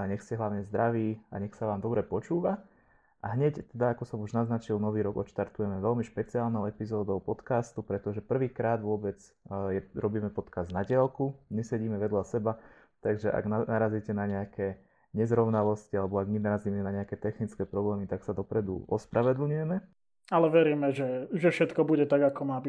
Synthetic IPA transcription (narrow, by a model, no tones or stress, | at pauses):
aɲɛxscɛɦlaʊɲɛzd̪ɾaʋiːa̰ɲɛxsaʋaːmd̪ɔbɾɛpɔt͡ʃuːʋa | ʔaɦɲɛct̪ɛd̪aakɔsɔmuʒnaznat͡ʃilnɔʋiːɾɔɡɔ̰t̪ʃt̪aɾt̪ujɛmɛʋɛlmiʃpɛt͡siaːlnɔʊɛpizɔːd̪ɔʊpɔt̪kaːst̪upɾɛt̪ɔʒɛpr̩ʋiːkɾaːd̪ʋʊɔbɛd͡z | jɛɾɔbiːmɛpɔt̪kazd̪naɟɪalkumisɛɟiːmɛʋɛd̪lasɛba | t̪aɡʒɛʔa̰ɡnaaɾaziːcɛnaɲɛakʰɛː | ɲɛzɾɔʊnalɔscialɛbɔaɡminaɾaziːmɛnaɲɛakɛːt̪ɛxnit͡skɛːpɾɔblɛːmit̪aksad̪ɔpɾɛd̪ṵɔspɾaʋɛd̪l̩ɲujɛmɛ | alɛʋɛɾiːmɛʒɛʒɛfʃɛt̪kɔbuɟɛt̪aɡakɔmaːbi